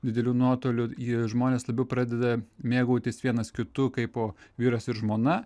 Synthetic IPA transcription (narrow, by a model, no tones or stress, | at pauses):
d̪ʲɪd̪ʲɛlʲuːnuɔt̪oːlʲʊiʒmoːnʲeːslˠɐbʲɛʊpɾɑːd̪ʲɛd̪ɐmʲeːɡɐʊt̪ʲɪsʋʲiɛnɐskʲɪt̪ʊkɐɪpoːʋʲiːɾɐsɪɾʒmoːnɐ